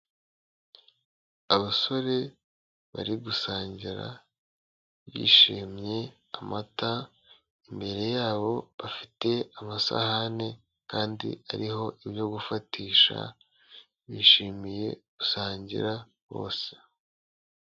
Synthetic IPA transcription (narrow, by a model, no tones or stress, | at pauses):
aβaso̞ɾe̞ | βa̰ɾiɡusaːɲɟiɾa̰ | βḭːʃiːmɲe̞ | amata | imbe̞ɾe̞jaːβo̞βafite̞amasa̰hane̞ | kaːndḭa̰ɾiɦo̞ʔiβjo̞ɡufatiːʃa̰ | βiːʃiːmije̞ɡ̥usaːɲɟḭɾa | βo̞̰ːse̥